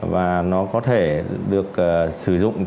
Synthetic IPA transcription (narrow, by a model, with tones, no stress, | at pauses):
vaː˨˩nɔ˨˦kɔ˨˦t̪ʰe˧˩ɗɨ˨˩ək̚ːsɨ˧˩zʊ̰˧˨ŋ͡m